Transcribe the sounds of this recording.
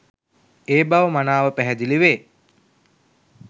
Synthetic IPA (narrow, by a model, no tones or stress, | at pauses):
eːbaʋəmanaːʋəpæɦæd̪iliʋeː